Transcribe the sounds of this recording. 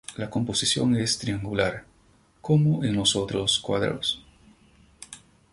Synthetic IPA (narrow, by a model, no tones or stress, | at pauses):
lako̞mpo̞sisjo̞̰ŋest̪ɾiaŋɡulaɾ | komoʔenlosot̪ɾoskwa̰ðɾo̰s